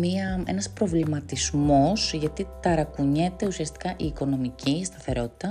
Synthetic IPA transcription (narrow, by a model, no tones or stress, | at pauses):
miɐe̞̰nɐspɾo̞vlimɐt̪izmo̞sʝɐt̪it̪ɐɾɐkuɲe̞t̪e̞usiɐst̪i̥kɐʔiːko̞no̞micʰist̪ɐθe̞ɾo̞t̪i̥t̪ɐ